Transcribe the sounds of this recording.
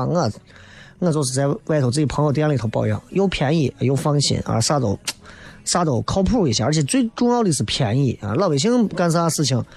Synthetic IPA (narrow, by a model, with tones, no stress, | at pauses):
a˥˩˥ | ŋ˥˩t͡swɔ˥˩ʂɹ̩˨˩t͡sa˥˧ɪwa˥˧ɪtʰo˧˩t͡sɹ̩˥˩t͡ɕi˨˩pʰɤ˧˥ŋjt̪i˥˧˥t̪ʰʊpɑ˥˧ʊjɑ̰˥˩ŋjo˧˥ʊpʰjɛ˧˥ni˥˩˧jo˧˥ʊfɑ˥ŋɕḭ˧˥nə̰˧˥ʂa˥t̪o˨˧˩ʊʂa˥t̪o˨˩ʊkʰɑ˥ʊpʰu˥˩i˥˩ɕja˥˩ə˞˧˥t͡ɕʰɛ˨˩t͡swe˥˩ɪʈ͡ʂʊ˥˧ŋjɑ˥˧ʊd̪ə˧i˧˥ʂɹ̩˥˩pʰjɛ˧˥ni˥˩a̰˧lɑ˥˩ʊwe˨˩ɪi˥ŋka˥ns̬a˥sɹ̩˥˧t͡ɕʰi˧˥ŋ